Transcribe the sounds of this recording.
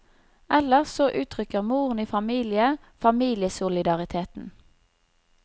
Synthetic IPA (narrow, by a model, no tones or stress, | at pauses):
ʔɛləʁsoːʔʉːt̪ʰʁʏkəʁmuːʁəniːfɑmiːlɪə | fɑmiːlɪəsʊlɪd̪ɑʁɪt̪ʰeːt̪n̩